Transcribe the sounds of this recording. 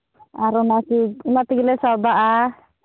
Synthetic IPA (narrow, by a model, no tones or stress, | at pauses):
aɾɔnasiunat̪iɡilɛsabaʔa